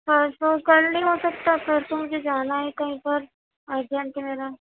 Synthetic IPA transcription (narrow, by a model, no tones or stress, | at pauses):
pɐɾtokɐlnĩɦosɐk̚t̪apʰɪɾt̪omʊd͡ʒʱed͡ʒaːnaɦɛkɐɦĩpɐɾ | ad̪ʱjənt̪ɛmeːɾa